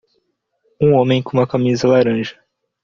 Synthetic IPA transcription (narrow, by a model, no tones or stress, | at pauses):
ũõmẽj̃kõũmɐkamizɐlaɾɐ̃ʒɐ